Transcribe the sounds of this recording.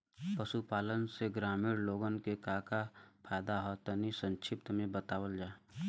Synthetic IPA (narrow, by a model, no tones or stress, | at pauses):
pəsupaːlənseɡɾaːmiːɾloːɡənkekaːkapʰaːjd̪aɦɔt̪ɔnisə̃nt͡ʃʰɪp̚t̪əmẽbət̪aːwəld͡ʒaː